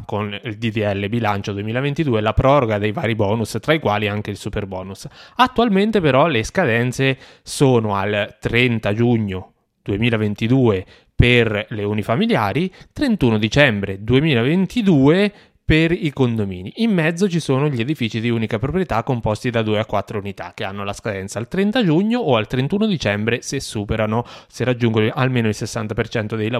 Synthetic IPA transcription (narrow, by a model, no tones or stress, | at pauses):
konild̪id̪iɛlːebilant͡ʃod̪uemiːlavent̪id̪uːelapɾɔːɾoɡad̪ejvaːɾibɔːnust̪ɾaikwaːliaŋk̟eilsuperbɔ̰ːnusat̪ːualment̪epeɾɔleskad̪ɛnt̪se | soːnoa̰lt̪ɾɛnt̪ad͡ʒuɲːo | d̪̥uemiːlavent̪id̪uːe | perleunifamiljaːɾit̪ɾent̪uːnod̪it͡ʃɛmbɾed̪uemiːlavent̪id̪uːe | perikond̪omḭːniimːɛd̪zːot͡ʃisoːnoʎied̪ifit͡ʃid̪iuːnikapɾopɾjet̪akːompɔst̪id̪ad̪uːeakːwat̪ːɾounit̪a̰k̟ːea̰nːolaskad̪ɛnt̪salt̪ɾɛnt̪ad͡ʒuɲːoʔːalt̪ɾent̪uːnod̪it͡ʃɛmbɾesesːuːpeɾanoserad͡ʒːuŋɡonoʔalmeːnoilsesːant̪apert͡ʃɛnt̪od̪ejla